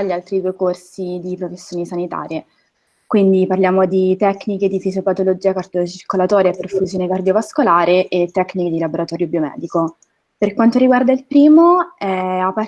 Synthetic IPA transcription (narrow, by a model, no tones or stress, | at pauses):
ʎːialt̪ɾid̪uːekorsid̪ipɾofesːjoːnesanit̪a̰ːɾje | kwind̪iparljaːmod̪it̪ɛkːniked̪ifizopat̪olod͡ʒiːakard̪jot͡ʃirkolat̪ɔːɾjaperfuzjoːnekard̪jovaskolaːɾeʔet̪ːɛkːniked̪ilaboɾat̪ɔːɾjobiomɛ̰ːd̪iko | perkwant̪oɾiɡward̪ailpɾiːmoɛapːa